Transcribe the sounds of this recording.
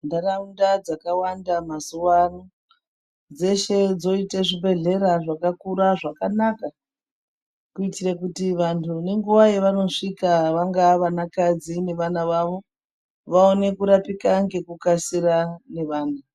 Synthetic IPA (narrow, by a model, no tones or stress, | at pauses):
ndaraundad͡zakawandamazuwano | d͡ze̞ʃe̞d͡zo̞iteʐibʱe̞ɮe̞ɾaʐakakuɾaʐakanaka | kuitirekutiʋantʰune̞ŋɡuʋajeʋano̞ʂikaʋaŋɡaʋanakad͡zine̞ʋanaʋaʋo̞ | ʋao̞ne̞kuɾapikaŋɡe̞kukasiɾane̞ʋaːna